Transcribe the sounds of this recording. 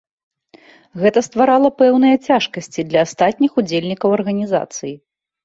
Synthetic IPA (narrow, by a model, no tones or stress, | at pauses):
ɣɛt̪ɐst̪vaɾalˠɐpɛwn̪ɨjɐt͡sʲaʂkɐsʲt͡sʲid̪lʲɐːst̪at̪̚ʲnʲixud͡zʲelʲnʲikɐwɐrɣɐnʲiza̰t̪sɨji